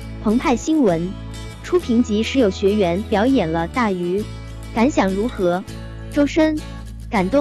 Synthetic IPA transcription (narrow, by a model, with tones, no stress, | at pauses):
pʰɤ˧˥ŋp̪ʰa˥˩ɪɕi˥nwə˧˥n | ʈ͡ʂʰu˥pʰi˧˥ŋt͡ɕi˧˥ʂɻ̩˧˥jo˨˩ʊɕɥɛ˧˥ɥɛ˧˥npjɑ˧˥ʊjɛ˨˩nlə˦t̪a˥˩y˧˥ | ka˧˥nɕjɑ˨˩ŋɻu˧˥xɤ˧˥ | ʈ͡ʂo˥ʊʂə˥n | ka˨˩nt̪ʊ˥˩